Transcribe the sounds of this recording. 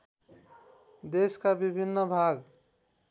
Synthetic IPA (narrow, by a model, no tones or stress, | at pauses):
d̪eskabibʱinːəbʱaɡ